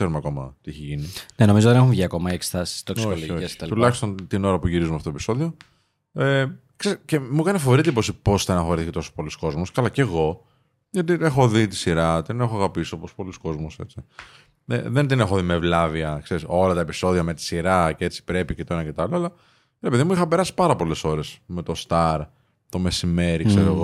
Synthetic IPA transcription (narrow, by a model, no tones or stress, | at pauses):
keɾumeɐko̞mɐ̰t̪iiçeʝinineno̞mizot̪ðenexuɱvʝiɐko̞mɐiekst̪ɐsi̥t̪oksiooçlooest̪ɐt̪ulɐçist̪o̞nt̪ino̞ɾɐpuʝiɾizumeɐft̪ot̪episo̞ðio̞ | e | ksecemukɐnefooɾit̪eiposipo̞sθɐnɐxoɾiθiçit̪o̞so̥spo̞lusko̞zmoscɐlɐce̞ɣo̞ | jot̪iexo̞ðit̪i̥siɾɐt̪ine̞xoɐɣɐpisiopospo̞lusko̞zmose̞t͡si | ḛðe̞nt̪inexoðimevlɐviɐkse̞ɾiso̞lɐt̪ɐepi̥so̞ðiɐme̞t̪i̥siɾɐcee̞t͡si̥pɾe̞picet̪oinɐcet̪ɐloɐlɐ | ɾepeðimuixɐpe̞ɾɐsi̥pɐɾɐpo̞le̞so̞ɾe̞sme̞t̪o̞st̪ɐɾ | t̪o̞me̞sime̞ɾikkseɾoɣo